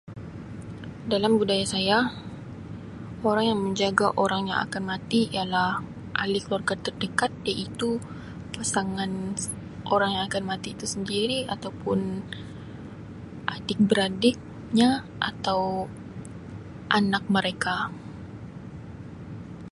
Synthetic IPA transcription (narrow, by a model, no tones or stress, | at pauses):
dalambudajasaja | oɾaŋjaŋməɲd͡ʒaɡaʔoɾaŋja̰ŋa̰kanmat̪iijalah | ʔalɪkəluwarɡart̪ərdəkat̪̚jaʔit̪u | pasaŋan | ʔoɾaŋjaŋakanmat̪iːt̪usəndiɾiat̪awpʊn | ʔadɪk̚bəɾadɪk̚ | ɲa | ʔat̪aw | ʔanak̚məɾeka